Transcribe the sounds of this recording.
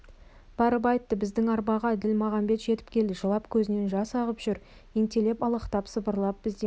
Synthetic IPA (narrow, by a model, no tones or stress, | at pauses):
b̥ɑɾəpɑjt̪ːəbɪzd̪ɪŋɑɾbɑʁɑd̪ɪlmɑʁɑmbe̞t̪ʒe̞t̪ɪ̥pkʲʰe̞ld̪ɪʒəlˠɑpkʲʰɵzɪne̞nʒɑsɑʁəpʒ̥ʏɾ | eŋt̪e̞le̞pɑlˠəqt̪ɑpsəbəɾlˠɑp̚b̥ɪzd̪e